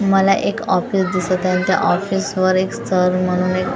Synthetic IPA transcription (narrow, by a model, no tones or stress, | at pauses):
məlaʔekɔfisd̪isət̪ãnt̪ja̰ʔɔfisʋəɾekst̪ʰəɾm̤əɽ̃uːnek